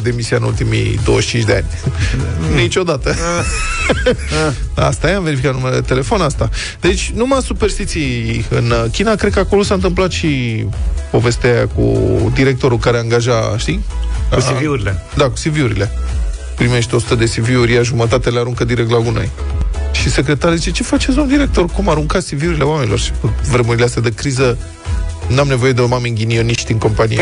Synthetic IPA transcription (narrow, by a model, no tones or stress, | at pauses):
d̪emisiaɨnult̪imḭd̪o̞̰əʃt͡ʃint͡ʃʲd̪ea̰nʲ | nit͡ʃo̞d̪at̪ə | a̰st̪ajamve̞ɾifikat̪numeleet̪e̞le̞fonast̪a | d̪et͡ʃʲnumasuperst̪it̪siɨnkʲinakɾed̪kəako̞lo̞saɨnt̪̬ɨmplat̪ʃi | po̞ve̞st̪jakṵd̪iɾe̞k̚t̪o̞ɾulkaɾeaŋɡaʒaʃt̪i | iviuɾiled̪aku̥siviuɾḭle̞ | pɾime̞ʃt̪eo̞su̥t̪əd̪e̞siviuɾʲjaʒumət̪at̪eleaɾuŋkəd̪iɾek̚t̪laɡuno̞̰jʃise̞kɾe̞t̪aɾzit͡ʃe̞t͡ʃe̞fat͡ʃet̪sd̪omd̪iɾe̞k̚t̪o̞rkumaɾuŋkat̪siviuɾile̞wamenilo̞rʃi̥kuvɾe̞muɾileast̪jad̪ekɾizə | namne̞vo̞je̞d̪eomamiŋɡʲinio̞niʃt̪ʲiŋko̞mpanḭj